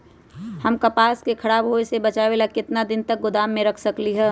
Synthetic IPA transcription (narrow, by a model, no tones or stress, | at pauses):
həmkɐpaːskekʰɐɾaːbɦoesebɐt͡ʃaʋelakɪt̪nad̪ɪnt̪ək̚ɡʊd̪aːmːẽɾɐkʰsəkliɦɛː